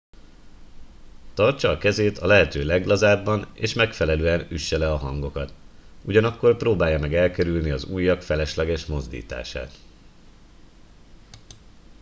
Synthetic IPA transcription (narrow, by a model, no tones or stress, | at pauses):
t̪ɒrt͡ʃɒːkɛzeːt̪ɒlɛɦɛt̪øːlɛɡlɒzaːbːɒnḛːʃmɛkfɛlɛløːɛnyʃːɛlɛɒɦɒŋɡo̞kɒt̪uɟɒnɒkːo̞rproːbaːjːɒmɛɡɛlkɛɾylniɒzuːjːɒkfɛlɛʃlɛɡɛʃmo̞zd̪ḭːt̪a̰ːʃa̰ːt̪